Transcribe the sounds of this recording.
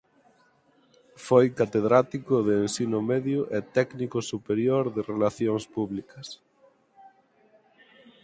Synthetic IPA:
fojkat̪eðɾat̪ikʊðeːnsinʊmeðjʊʔɛt̪ɛknikʊsupeɾjoɾðɪrelaθjoŋspuβlikɐs

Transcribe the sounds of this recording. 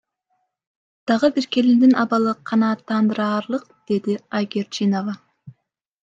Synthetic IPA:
d̪̥ɑʁəbiɾkʲe̞lind̪inʔɑbɑlˠɯqʰɑnɑːt̪ːɑnd̪ɯɾɑːɾlˠɯq̚d̪̥e̞d̪iajɡʲeɾt͡ʃinovɑ

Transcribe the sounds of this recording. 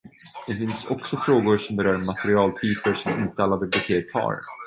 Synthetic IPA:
d̪̥ɛfɪnsɔ̰ksɔfɾoːɡʊɾʂɔmbɛɾœːɾmat̪ɛɾɪɑːlt̪ʰyːpəɾʂɔmɪnt̪əalːabɪblɪt̪ʰeːkʰhʰɑ̰ːɾ

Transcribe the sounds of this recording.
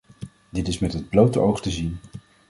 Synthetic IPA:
dɪtɪsmɛtɦəd̚blowtəʔowχtəzin

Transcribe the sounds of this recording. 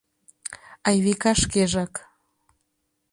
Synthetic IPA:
ɑjβekɑʃkeʒɑk

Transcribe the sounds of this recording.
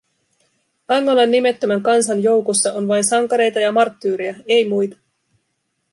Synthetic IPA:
ɑŋːolɑnːime̞t̪ːømæŋkɑnsɑnjo̞wkosːɑʔo̞nʋɑjnsɑŋkɑɾe̞jt̪ɑjɑmɑrt̪ːyːɾijɑe̞jmujt̪ɑ̥

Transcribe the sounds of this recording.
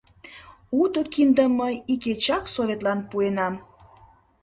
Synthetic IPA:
ud̪okind̪əməjiket͡ɕɑksoβʲet̪lɑnpuenɑm

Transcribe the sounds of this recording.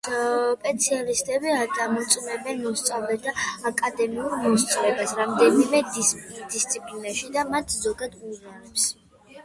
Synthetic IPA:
pʼɛt̪sʰialist̪ʼɛbiad̪amɔt̪sʼmɛbɛnmɔst̪sʼavlɛd̪ʰaakʼad̪ɛmiuɾmɔst̪sʼɔɾɛbasɾamd̪ɛnimɛd̪ist̪sʰʼipʼlinaʃid̪amat̪ʰzɔɡad̪uzaɾɛps

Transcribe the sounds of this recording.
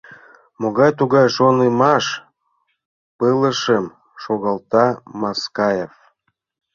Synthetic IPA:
moɣɑjt̪uɣɑjʃonəmɑʃ | pələʃəm | ʃoɣɑlt̪ɑmɑskɑjef

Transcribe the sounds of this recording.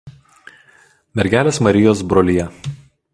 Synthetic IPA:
mʲɛɾʲɡʲæːlʲeːsmɐɾʲɪjoːs̬bɾoːlʲijɛ

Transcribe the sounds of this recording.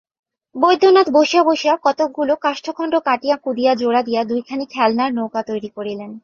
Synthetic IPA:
bojd̪ʱːonat̪boʃiaboʃiakɔt̪ok̚ɡulokaʃʈʰokʰɔɳɖokaʈijakud̪ijad͡ʑoɽad̪ijad̪ujkʰanikʰɛlnaɾnokat̪ojɾikoɾilen

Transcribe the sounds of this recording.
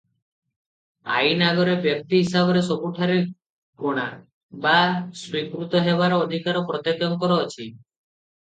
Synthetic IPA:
a̰jnaɡɔɾebjɔk̚t̪iɦisabɔɾesɔbuʈʰaɾe | koɽ̃a | baswikɾut̪ɔɦebaɾɔːd̪ʱikaɾɔpɾɔt̪ekjɔŋkɔɾɔːt͡ʃʰi

